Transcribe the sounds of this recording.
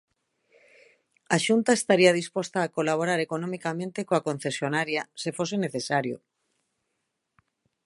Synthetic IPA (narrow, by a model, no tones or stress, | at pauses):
aʃunt̪aest̪aɾiað̞ispost̪aːkolaβoɾaɾekonomikamẽnt̪ekoakon̟θesjonaɾjasefoseneθesaɾjo̰